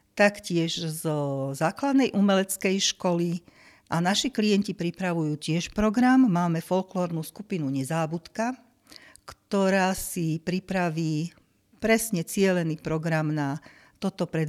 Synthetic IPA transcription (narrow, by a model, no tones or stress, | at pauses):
t̪akcɪɛʒzɔzaːklad̪nɛjʔumɛlɛt͡skɛjʃkɔli | ʔanaʃiklijɛncipɾipɾaʋujuːcɪɛʃpɾɔɡɾamːaːmɛfɔlklɔːɾnuːskupinuɲɛzaːbut̪ka | kt̪ɔɾaːsipɾipɾaʋiː | pɾɛsɲɛt͡sɪɛlɛniːpɾɔɡɾamna | t̪ɔt̪ɔpɾɛd̪